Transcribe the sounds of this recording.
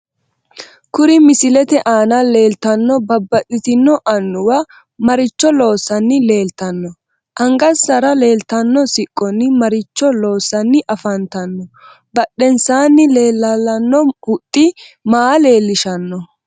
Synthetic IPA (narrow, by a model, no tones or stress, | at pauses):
kʊɾɪmɪsɪlɛt̪ɛʔaːnɐle̞ːlt̪ɐnːɔbɐbːɐtːɪt̪ɪnːɔʔɐnːʊwɐ | mɐɾɪt͡ʃːɔlo̞ːsːɐnːɪle̞ːlt̪ɐnːɔ | ʔɐŋɡɐsːɐɾɐle̞ːlt̪ɐnːɔsɪkʼːɔnːɪmɐɾɪt͡ʃːɔlo̞ːsːɐnːɪʔɐfɐnt̪ɐnːɔ | bɐɗːɛnsaːnːɪle̞ːlːɐlːɐnːɔʊt̪ʼːɪmaːle̞ːlːɪʃɐnːɔ